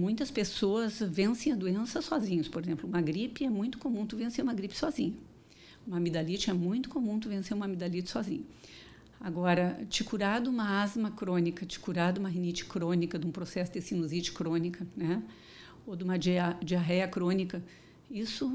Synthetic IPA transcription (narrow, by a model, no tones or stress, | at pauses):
mũj̃t̪ɐspesoɐzvẽsẽj̃ɐd̪uẽnsɐsːɔzĩɲɐspoɾezẽmplʊũmɐɡɾipɪɛmũj̃t̪ʊ̥komũt̪uvẽseɾũmɐɡɾipɪ̥sɔzĩɲɐ | ũmɐmid̪alit͡ʃɪɛmũj̃t̪ʊ̥komũt̪uvẽseɾũmɐmid̪alit͡ʃɪ̥sɔzḭ̃ɲɐ | aɡɔɾɐt͡ʃikuɾad̪ʊũmɐazmɐkɾõnikɐt͡ʃi̥kuɾad̪ʊumɐɦinit͡ʃɪ̥kɾõnikɐd̪ũpɾosɛsʊd̪esĩnuzit͡ʃɪ̥kɾõnikɐnɛ | od̪ũmɐd͡ʒd͡ʒiaɦɛjɐkɾõnikɐ | isʊ